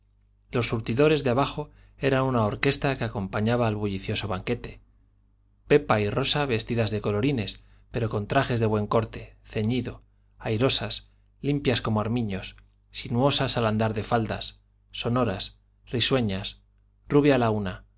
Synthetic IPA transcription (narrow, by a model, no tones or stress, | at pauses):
lo̞sːuɾt̪iðo̞ɾe̞zðeaβaχo̞ | e̞ɾanunao̞ɾke̞st̪ake̞ako̞mpaɲaβaːlβuʎiθjo̞so̞βaŋke̞t̪e̞̥ | pe̞pairo̞saβe̞st̪iðazðe̞ko̞lo̞ɾine̞s | pe̞ɾo̞ko̞nt̪ɾaχe̞zðe̞βwe̞ŋko̞ɾt̪e̞θe̞ɲiðo̞ | ajɾo̞sas | limpjasko̞moaɾmĩɲo̞s | sinuo̞sasaland̪aɾðe̞fald̪asː | o̞no̞ɾas | riswe̞ɲas | ruβ̞jalauna